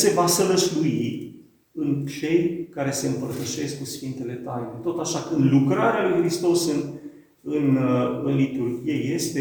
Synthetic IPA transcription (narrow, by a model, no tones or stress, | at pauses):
se̞vasələʃlui | ɨnt͡ʃe̞jkaɾe̞se̞ɨmpərt̪əʃe̞skusfint̪e̞le̞t̪ajnet̪o̞t̪aʃakɨnd̪lukɾaɾealujxɾist̪o̞sɨn | ɨnɨnlit̪urɡʲijeje̞st̪e̞